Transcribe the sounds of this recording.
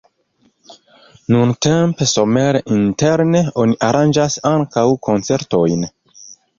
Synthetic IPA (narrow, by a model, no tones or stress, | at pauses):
nunte̞mpeso̞me̞ɾʔinte̞ɾneo̞niʔaɾʔand͡ʒasaŋkawkʰo̞nt͡se̞ɾto̞jn